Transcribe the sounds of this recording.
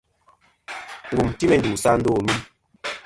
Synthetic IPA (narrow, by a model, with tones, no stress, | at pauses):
ŋ˨ɡu˨mti˦mɛ˨n˨du˨sa˦n̩˦doː˦˨mi˦